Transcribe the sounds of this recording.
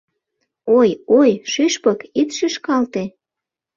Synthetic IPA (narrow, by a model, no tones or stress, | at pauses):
ojojʃyʃpɤkit̪ʃyʃkɑlt̪e